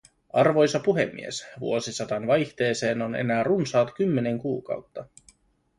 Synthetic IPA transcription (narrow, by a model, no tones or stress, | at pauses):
ʔɑrʋo̞jsɑpuɦe̞̰mːḭesʋṵo̞sisɑt̪ɑnʋɑjçt̪e̞ːse̞ːno̞ne̞̰næːrunsɑːt̪k̟ymːe̞ne̞ŋkuːkɑ̰wt̪ːɑ